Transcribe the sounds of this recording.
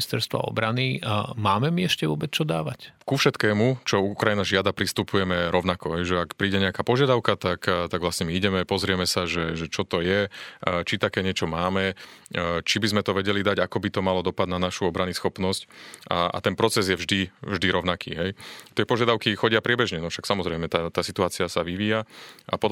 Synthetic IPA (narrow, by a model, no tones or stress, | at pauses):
st̪ɛɾst̪ʋa̰ɔ̰bɾanimaːmɛmiɛʃcɛʋʊɔbɛt͡st͡ʃɔd̪a̰ːʋackufʃɛt̪kɛːmut͡ʃɔuukɾajinaʒɪad̪apɾist̪upujɛmɛɾɔʊnakɔɦɛjʒɛakpɾiːɟɛɲɛakaːpɔʒɪad̪aʊkat̪akt̪aɡʋlasɲɛmiiɟɛmɛpɔzɾɪɛmɛsaʒɛʒɛt͡ʃɔt̪ɔjɛt͡ʃit̪akɛːɲɪɛt͡ʃɔmaːmɛ | t͡ʃibizmɛt̪ɔʋɛɟɛlid̪aɟakɔbit̪ɔmalɔd̪ɔpad̪nanaʃuɔbɾanisxɔpnɔsca̰a̰t̪ɛnpɾɔt͡sɛzjɛvʒd̪ivʒd̪iɾɔʊnakʰḭːɦɛjt̪ɪɛpɔʒɪad̪aʊkixɔɟɪapɾɪɛbɛʒɲɛnɔfʃaksamɔzɾɛjmɛt̪at̪aːsit̪uaːt͡siasaʋiʋiːjaʔa̰pɔ